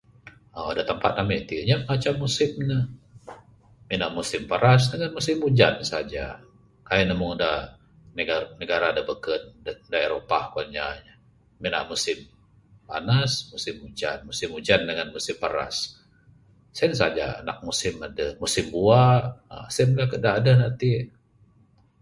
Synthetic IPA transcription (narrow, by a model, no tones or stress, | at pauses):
əadat̪əmpa̰t̪̚namit̪iɲaməŋat͡ʃamːusɪmnəh | minaʔmusɪmpəɾas̬dəŋanmusɪmːud͡ʒansad͡ʒa̰ | kainəmʊŋada | nəɡanəɡaɾadəbəkən̚ddaeɾopakuaɲaɲa | mina̰ʔmusɪm | pa̰nasmusɪmud͡ʒa̰nmusɪmud͡ʒandəŋanmusɪmpəɾa̰s | sns̬ad͡ʒa̰ːna̰k̚musɪmadəmusɪmbuasəmdakədaːdanat̪i